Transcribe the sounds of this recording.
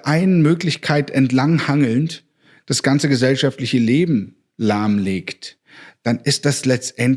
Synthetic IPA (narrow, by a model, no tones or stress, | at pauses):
ʔaɪnəmøːklɪçkʰaɪtɛntlaŋhaŋl̩n | d̥asɡ̥ant͡səɡəzɛlʃaftlɪçəleːbm̩ | laɐmleːkt | d̥anɪst̚d̥aslɛt͡stʔɛnt